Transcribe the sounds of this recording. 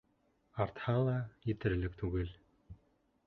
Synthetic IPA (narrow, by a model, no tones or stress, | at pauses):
art̪χaːlaːit̪eɾɘ̆ɮɘ̆kt̪ʰuɣeːɮ